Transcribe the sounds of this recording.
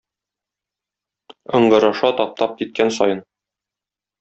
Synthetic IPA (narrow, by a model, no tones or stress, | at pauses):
ɤ̆ɴɢɤ̆ɾɑʃɑt̪ɒp̚t̪ɑp̚kit̪̚kænsɒ̰jɤn